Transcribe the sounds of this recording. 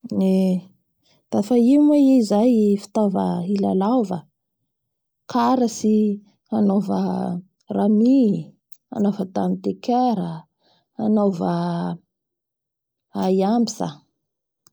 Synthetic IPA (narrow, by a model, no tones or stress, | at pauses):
ne | d̪̥afaiumweizajfi̥t̪ovəila̰lavə | kʰaɾəsi | anovə̰ | rami | a̰novət̪amit̪ekeɾə | anovə | ajambisa̰